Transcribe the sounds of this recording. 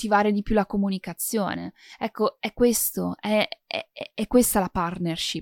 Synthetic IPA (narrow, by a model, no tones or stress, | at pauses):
t̪ːivaːɾed̪ipjulakomunikat̪sːjo̰ːnḛɛkːoɛkːwest̪oɛɛ̰ɛɛkːwest̪alapart̪nerʃi